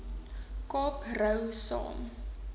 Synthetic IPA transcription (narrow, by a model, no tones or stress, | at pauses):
kɔprəwsɔ̰m